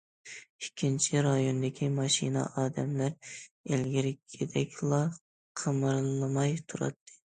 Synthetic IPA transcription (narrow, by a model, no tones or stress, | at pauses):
ikʲʰːint͡ʃʰiɾɑjond̪ɪkʲʰimɑʃḭnɑ̰ʔɑːd̪ɛmlæɾelɡʲiɾɪkʲʰed̪ɛkʲʰlˠɑ | qʰəmɨɾllˠɨmɑjt̪ʰuɾɑ̰t̪ʰːɨ̥